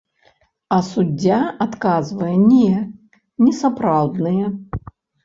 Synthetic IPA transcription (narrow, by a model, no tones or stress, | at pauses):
ɐsud͡zʲːaat̪kazvɐjɛnʲɛ | nʲɛsapɾawd̪nɨjɛ